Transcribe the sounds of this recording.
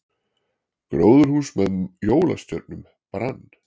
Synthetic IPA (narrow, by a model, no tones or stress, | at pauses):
kɾoːwðʏɾhuːsmɛðjoːwla̰st̪jœt̪̚nʏm | pɾanː